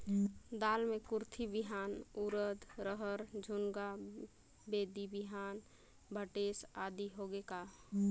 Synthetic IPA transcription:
d̪aːlmẽkʊɾt̪ʰibɪɦaːnuɾəd̪ɾəɦəɾd͡ʒʱʊŋɡa | beːd̪ibɪɦaːn | bʱəʈeːsaːd̪iɦoɡekaː

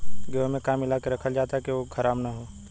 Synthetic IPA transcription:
ɡəmẽkaːmɪlaːkeɾɐkʰəld͡ʒaːt̪aɦɛkeʋokʰɐɾaːmnaɦoː

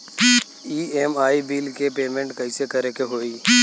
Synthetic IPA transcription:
iːemaːibiːlkepeːmẽɳʈkɐɪsekɐɾekeɦoːiː

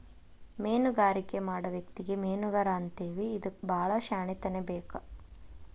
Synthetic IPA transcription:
meːnuɡaːɾikemaːɽɐʋjɐkt̪iɡemeːnuɡɐɾaːnt̪eːʋiːd̪ɐbʱaːɭɐʃaːɳit̪ɐnebeːkɐ

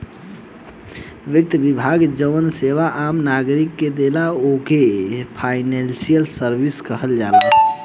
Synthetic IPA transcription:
ʋjək̚t̪əbibʱaɡd͡ʒəʋənseʋaʔamnaɡɾikːed̪elaokepʰajnensijəlsəɾbiskəɦəld͡ʒala

